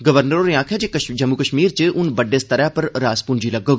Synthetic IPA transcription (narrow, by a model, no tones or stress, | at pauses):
ɡɐʋəɾnəɾoːɾjãːkʰɛd͡ʒekəd͡ʒɐmːukəʃmiːɾt͡ʃeʔʊnbɐɖːeːst̪ɐɾɛpɐɾɾaːspʊnd͡ʒilɐɡoɡ